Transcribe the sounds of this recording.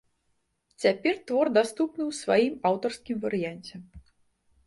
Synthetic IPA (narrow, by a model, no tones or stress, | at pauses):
t͡sʲapʲɛrt̪vɔrd̪ast̪upnɨwsvajimawt̪ɐrskʲimvɐɾɨjanʲt͡sʲɛ